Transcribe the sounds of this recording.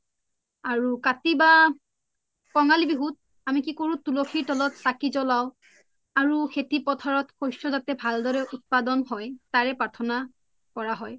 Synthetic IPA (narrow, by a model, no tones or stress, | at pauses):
aɹukatiba | kɔŋalibiɦut̚ | amikikoɹũtuloxʰiɹtɔlɔtsakizɔlaʊ | aɹuxʰetipɔtʰaɹɔtxojsɔzatɛbʱaldɔɹɛʔut̚padɔnɦɔjtaɹɛpaɹtʰɔna | kɔɹaɦɔj